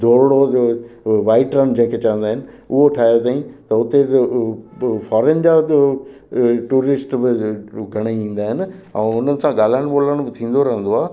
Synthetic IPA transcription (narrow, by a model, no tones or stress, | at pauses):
d̪ʱoːɾɽo | ʋaːɪʈɾənd͡ʑɐ̃ɦɪ̃kʰet͡ɕɐʋə̃nd̪aːɦɪnɪ̆ | ʊɦoʈʰaːjot̪aːĩt̪ɐʊt̪e | fɔːɾend͡ʑa | ʈuːɾɪsʈbɪɡʱɐɽ̃iĩːn̆d̪aːɦɪnɪ̆ɛ̃ːʊn̤ənɪ̆sãɠaːl̤aːɪɽ̃̆ɓoːləɽ̃bɪt̪ʰĩːn̆d̪oɾɐɦə̃nd̪oaː